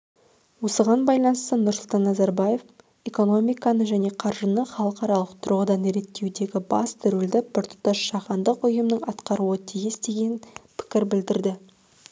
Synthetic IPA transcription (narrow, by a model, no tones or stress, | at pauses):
wo̞səʁɑnbɑjlˠɑnəst̪ənʊɾsʊlˠt̪ɑnːɑzɑɾbaje̞f | e̞ko̞no̞mijkɑnəʒæne̞qʰɑɾʒənəχɑlˠəqɑɾɑlˠəqt̪ʰʊɾʁəd̪ɑneɾe̞t̪ːe̞wd̪e̞ɡʲɪbɑ̰st̪ʰʏɾɪld̪ɪbɪɾt̪ʰʊ̥t̪ːɑʃʃɑʁɑnd̪əqʊjəmnəɴɑt̪qɑɾuət̪ʰijɪsd̪e̞ɡʲe̞npʰɪ̥kʲɪɾbɪld̪ɪɾd̪ɪ